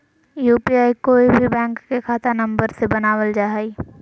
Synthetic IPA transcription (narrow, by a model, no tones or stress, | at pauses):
juːpiaːikoːibʱibɛ̃ːŋkːekʰaːt̪anɐ̃mbəɾsebɐnaːʋəld͡ʒaːɦiː